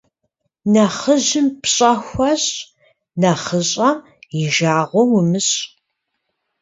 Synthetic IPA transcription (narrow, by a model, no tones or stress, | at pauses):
nɐχəʑɪmpʰɕʼɐxʷɐɕʼ | nɐχəɕʼɐ | jɪʒaːʁʷɔwʊmɨɕʼ